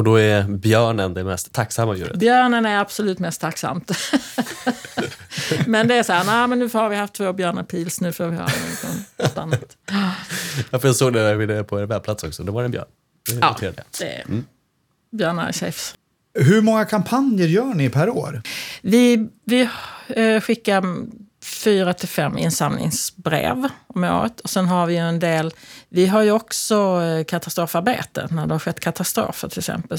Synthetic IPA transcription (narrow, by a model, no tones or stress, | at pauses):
ɔd̪ɔæɾbjœːɳənd̪ɛmɛst̪ʰːaksamːajṵːɾə̰t̪bjœːɳənæɾab̥sɔlʉ̟ːt̪mɛst̪ʰːaksa̰mt̪ | mɛnd̪ɛæsɔhːɾnæɪmɛnːʉfhaɾvɪhaft̪ʰːvoːbjœːɳapʰiːlsnʉ̟ːfəɾvɪha̰ɾ̰nɔ̰ɡɔŋnɔt̪ːanːat̪ | jɑfɔɾjasoːɡd̪ɛavɪd̪ɛpʰɔɛnbɛːplat̪sɔ̰ksɔd̪ɛvaɾɛnbjœ̰ːɳ | d̪ɛɑ̰t̪ʰeːɾd̪ɪa̰d̥̪ɛ̰ɾ | bjœːɳa̰sɛ̰fs | ɦɵɾmɔŋːakʰampʰanjəɾjœːɳɪpʰæɾoːɾvɪvɪ | ɧɪkːaɾ | fyːɾat̪ʰɪlfɛmːɪ̰nsamnɪ̰ŋsbɾḛːvɔmo̰ːɾə̰t̪ʰɔsɛnɦaɾvɪjɵɛnd̪eːlvɪɦaɾjɵɔksɔkʰat̪ast̪ɾoːfaɾbḛːt̪ə̰næɖɛhaɾɧɛt̪ːkʰat̪ʰast̪ɾo̰ːfəʈʰɪlksɛ̰mpə